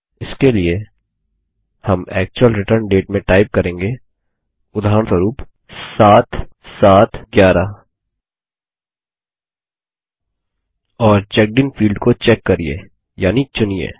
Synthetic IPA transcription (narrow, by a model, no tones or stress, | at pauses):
ɪskelie | hɐmɛːk̚t͡ʃuwəlɾɪʈəɾɳɖeːʈmẽʈaːɪp̚kɐɾẽːŋɡe | ʊd̪ʱaːɾəɳt̪əɾuːp | saːt̪saːt̪ɡjaːɾa | ɔːɾt͡ʃɛk̚ɖɪnfiːlɖkot͡ʃɛkːɐɾiḛ | jaːnit͡ʃʊniḛ